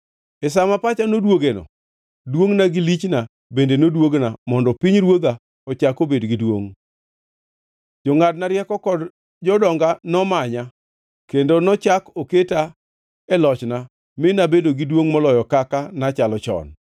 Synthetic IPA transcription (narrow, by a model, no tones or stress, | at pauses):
ɛs̬amapat͡ʃanodwoɡenɔ̰ | dwoŋnaɡɪlit͡ʃna | bendenodwoɡnamɔndɔpiɲɾwoɡa | ɔt͡ʃakobedɡidwoŋ | d͡ʒɔŋad̚naɾjɛkɔkɔd | d͡ʒɔdɔŋɡanɔmaɲa | kendonɔt͡ʃakoketa | ɛlɔt͡ʃna | mɪnabedoɡidwoŋmɔlɔjɔkakanat͡ʃalɔt͡ʃɔ̰n